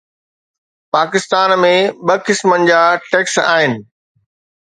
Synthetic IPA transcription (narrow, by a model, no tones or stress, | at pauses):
paːkɪst̪aːnmẽɓɐkɪsmənɪ̆d͡ʑaːʈeːksa̰ːɦɪnɪ̆